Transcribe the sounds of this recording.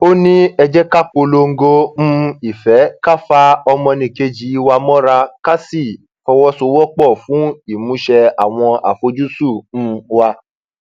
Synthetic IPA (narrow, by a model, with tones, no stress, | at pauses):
o˦nĩ˦ɛ˧d͡ʒɛ˦ka˦k͡po˧lo˧ŋ̩˦ɡo˦m̩̃˦i˦˨fɛ˨˦ka˦fa˧ɔ˧mɔ̃˧nĩ˧˨ke˧d͡ʒi˨˦˧wa˧mɔ̃˦ɾa˧ka˦si˦˨ | fɔ˧wɔ˦so˧wɔ˦k͡pɔ˦˨fũ˨˦i˦˨mũ˨˦ʃɛ˧a̰˨w̃ɔ̃˧a̰˨fo˧˦d͡ʒu˦su˦˨ñ̩˧˦wa˧